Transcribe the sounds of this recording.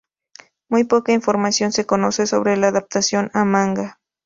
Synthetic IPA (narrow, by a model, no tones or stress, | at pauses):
mujpokainfoɾmasjonsekonoseso̰βɾelaːðap̚t̪asjonamaŋɡa